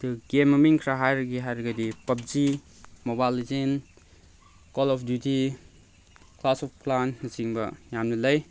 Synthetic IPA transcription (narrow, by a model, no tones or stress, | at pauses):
duɡemːɐmiŋkʰɾaɦajɾɐɡiɦajɾɐɡɐdipɐp̚zi | mobajlizin | kɔlɔpʰdjutʰi | klasɔp̚ʰklanːɐsiŋbɐ̰jamnilɐj